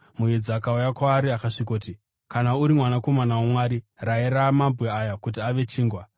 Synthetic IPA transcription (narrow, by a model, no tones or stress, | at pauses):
mujed͡ziakaujakwaːɾiakaʂikoti | kanauɾimwanako̞manawomwaːɾiraeɾamambɣeajakut̬iaʋe̞t͡ʃiːŋɡwa